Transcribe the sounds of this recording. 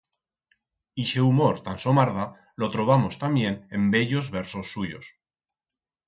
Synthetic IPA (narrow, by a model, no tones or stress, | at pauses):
iʃeumoɾt̪anso̞maɾða | lo̞t̪ɾo̞β̞amo̞st̪ambje̞ne̞mbe̞ʎo̞zβe̞ɾso̞sːuʝo̞̰s